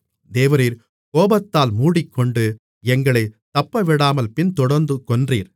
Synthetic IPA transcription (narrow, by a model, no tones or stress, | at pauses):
d̪eːʋɐɾiːɾ | koːbɐt̪ːaːlmuːɽɪkːɔɳɖɯ | ɛŋɡɐɭɐɪt̪ːɐpːɐʋɪɽaːmɐlpɪnt̪ɔɽɐɾnd̪ɯkɔndriːɾ